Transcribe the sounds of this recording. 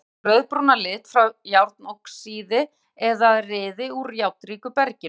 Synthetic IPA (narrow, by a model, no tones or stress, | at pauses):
rœðpɾonalɪːt̪fɾawjawɾt̪̚nowhksiːðɪ | ɛðaðrɪːðɪuɾjawt̪ɾiːkʏpɛɾcɪn